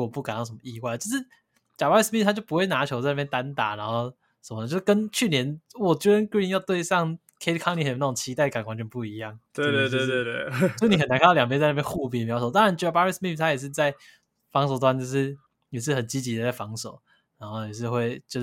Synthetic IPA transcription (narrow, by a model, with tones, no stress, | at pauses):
ɔ˨˩pu˥˩ka˨˩nɑ˥˩ʂə˧˥˩mə˧i˥˧wa˥˩ɪə˩jo˥˧ʊʂ̬̩˥˩ | t͡ɕja˨˩pa˥i˥˩smi˥˩t̪ʰa˥t͡ɕjpu˧˥xwe˥˩ɪna˧˥t͡ɕʰjo˧˥ʊt͡sa˥˧ɪna˥˩jɛ˥˧t̪a˦˥nt̪a̰˨˩˦na˧˥nxo˥˧ʊ | ʂə˨˩mə˦nə˩t͡ɕo˥˧ʊʂkə˥nt͡ɕʰy˥˩njɛ˧˦nwɔ˨˩t͡ɕɛ˥ə˥˦nki˥˧njɑ˥˧ʊt̪we˥˧ɪsɑ˥˧ŋ | kʰe˥t̪kʰɑ˥˧ŋli˥xjna˥˩ʊ˨˩ŋt͡ɕʰi˧˥a˥ɪdəka˨˩nkwa˧˥nt͡ɕʰɥɛ˧˥˩pu˥˩i˧˦jɑ˥˩ŋt̪we˥ɪt̪we˥˧t̪we˧e˥˧we˥˧˥ʂɻ̩˥˩ni˨˩xə˨na˨˥k̪ʰljɑ˨˩ŋpjɛ˥t͡sa˥˧ɪna˥˩jɛ˥˧xu˥˧p̬i˨˩˨mjsʰo˨˩˦t̪ɑ˥ŋɻa˧˦nt͡ɕpa˧˥ɹi˥˩smi˥˩ft̪ʰa˥jɛ˨˩ʂ̬ɻ̩˥˧t͡sa˥˩ɪ | fɑ˧˥ŋs̬o˨˩ʊt̪wa˧nt͡ɕjo˥˧ʂɻ̩˥˩ | jɛ˨˩ʂ̬ɻ̩˥˩xə˨˩nt͡ɕi˦˥t͡ɕi˧˥d̪ə˧˦t͡sa˥˩ɪfɑ˧˥ŋso˨˩ʊ | na˧˥nxo˥˩jɛ˨˩ʂ̬ɻ̩˥˧xwe˥˩ɪt͡ɕjo˥˧ʊ